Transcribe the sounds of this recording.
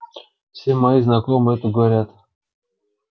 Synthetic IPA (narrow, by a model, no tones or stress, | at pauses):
fsʲemɐiznɐkomɨɛt̪əɡəvɐɾʲat̪